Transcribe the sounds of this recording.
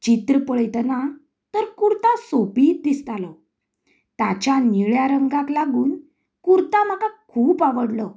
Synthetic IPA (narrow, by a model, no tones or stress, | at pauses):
t͡ɕit̪ɾəpəɭjt̪əna | t̪əɾkuɾt̪ãsopiːt̪d̪ist̪alɔ | t̪at͡ɕaniɭjaɾəŋɡãklaɡuːn | kuɾt̪am̤akakʰuːpaʋəɽlɔ